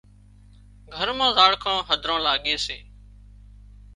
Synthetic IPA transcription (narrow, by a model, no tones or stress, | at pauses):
ɡʱəɾmãːzaːɽkʰãːɦəd̪ʱɾãːlaːɠẽːseː